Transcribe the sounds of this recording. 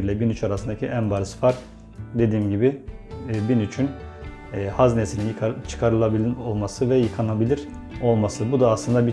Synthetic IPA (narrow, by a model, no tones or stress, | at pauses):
ɾlʲɛbinyt͡ʃʰaɾasɯnd̪acʰiʔæmbaɾɯsfaɾk | d̪e̞d̪iːmɟibiː | binyt͡ʃʰynː | haznesininjt͡ʃʰɯ̥kʰaɾɯlˠabiolˠmasɯvɛjɯkʰanabilʲiɾ̥ | o̞lˠmasɯbud̪aːslˠɯnd̪abi